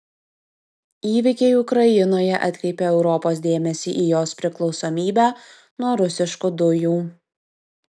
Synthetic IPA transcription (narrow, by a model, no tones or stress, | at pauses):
iːʋʲɪkʲɛɪʊkɾɐjɪnoːjɛʔɐ̰t̪ʲkɾʲɛɪpʲeɛʊɾɔpoːs̬d̪ʲeːmʲɛsʲiːʔiːjoːspʲɾʲɪklˠɒʊsoːmʲiːbʲæː | nuɔɾʊsʲɪʃkʊd̪ʊjuː